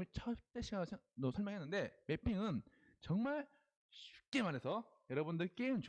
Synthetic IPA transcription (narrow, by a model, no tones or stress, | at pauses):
mit͡ɕʰʌt͈eɕʰiɡaɯsʰosʰʌɭmjʌŋɦenːɯnde̞me̞pʰiŋɯn | t͡ɕʌŋmaɭ | t͡ɕu̥k͈e̞manɦesʰʌjʌɾʌbundɯɭk͈eɯnt͡ɕ